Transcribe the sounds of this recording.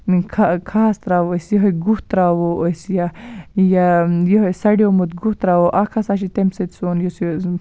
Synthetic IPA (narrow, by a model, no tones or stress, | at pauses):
kʰakʰaːst̪ɾaːwosjiɦojɡuht̪ɾaːwoosjajajiɦojsɐɖiomut̪ɡuht̪ɾaːwoʔakʰasaʃit̪emset̪sonjoso